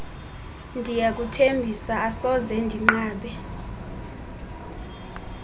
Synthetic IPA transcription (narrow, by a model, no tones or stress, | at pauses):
ndʱijak̬ʼutʰembʱisaːsɔzɛndʱiŋ͡ǃaːɓɛ